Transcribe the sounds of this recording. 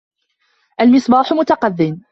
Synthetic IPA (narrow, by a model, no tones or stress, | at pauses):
ʔalmɪsˤbɑːħʊmʊt̪ɑqɑðːɪn